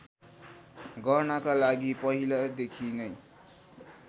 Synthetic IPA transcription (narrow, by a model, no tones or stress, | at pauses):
ɡʌrnakalaɡipʌɦilad̪ekʰinʌj